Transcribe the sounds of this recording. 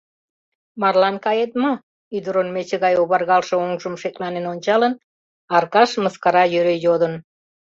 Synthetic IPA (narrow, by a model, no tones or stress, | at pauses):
mɑrlɑnkɑjet̪̚mə | yd̪əɾonmet͡ɕeɣɑjoβɑrɣɑlʃeoŋʒəmʃeklɑnenonʲt͡ɕɑlən | ɑrkɑʃməskɑɾɑjøɾejod̪ən